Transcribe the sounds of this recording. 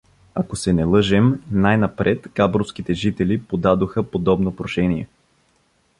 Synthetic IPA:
akosɛnɛlˠɤʒɛmnajnɐpɾɛt̪ɡabɾofskit̪ɛʒit̪ɛlipod̪ad̪oxəpod̪ɔbnopɾoʃɛnijɛ̰

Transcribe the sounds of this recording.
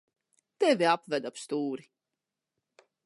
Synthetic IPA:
t̪ɛvʲiapvæd̪apst̪uːɾi

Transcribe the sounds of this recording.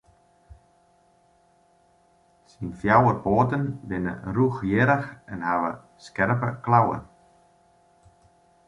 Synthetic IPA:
sinfjawərpoːt̪ənʋɪnə̰ruxjɪːɾəxɛnhaːvə̰ | skɛɾpəklawə̰n

